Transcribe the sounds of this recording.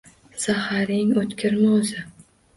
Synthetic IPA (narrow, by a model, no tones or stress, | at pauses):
sahaɾɪŋot̪kʲʰɪɾmɒzɪ